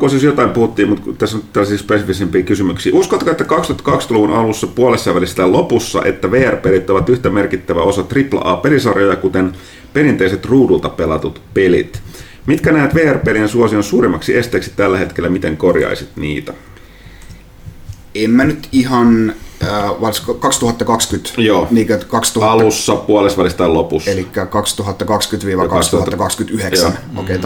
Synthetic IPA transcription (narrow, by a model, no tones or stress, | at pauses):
kososjot̪ɑimpuhut̪ːiːmut̪t̪æsːot̪ːælːæsiːspesifisempiːkysymyksḭːʔuskot̪kɑet̪ːækɑkst̪yuɑt̪ːɑ̥kɑkst̪ɑluʋunʔɑlusːɑpuolesːɑʋælist̪ælopusːɑ̰ʔe̞̰t̪ːæʋeːærpeːlit̪ːoʋɑt̪yht̪æme̞rkit̪ːæʋæo̞sɑt̪riplɑ̰ʔɑːpe̞lisɑrjojɑkut̪en | pe̞ɾint̪eiset̪ruːdult̪ɑpelɑ̰t̪ut̪pe̞lḭt̪ | mit̪kænæːt̪ʋeːærpelinsuosionsuːɾimːɑksiest̪eːksi̥tt̪ːælːæhe̞t̪kelːæmit̪eŋkorjɑ̰isit̪nḭːt̪æ | emːænyt̪ihɑnː | ʋɑlskkɑkst̪uhɑt̪ːɑkɑkskyt̪joːniːkøkɑkst̪uhɑlusːɑpuolesʋɑlist̪ɑilopuselikkːækɑkst̪uɦɑt̪ːɑkɑkskyt̪ʋiːʋɑkɑst̪uhɑt̪ːɑkɑkskyt̪yheksæno̰ket̪